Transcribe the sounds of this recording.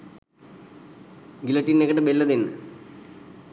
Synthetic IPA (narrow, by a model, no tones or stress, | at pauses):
ɡilɐʈːinːekːɐʈːɐbelːɐd̪enːɨ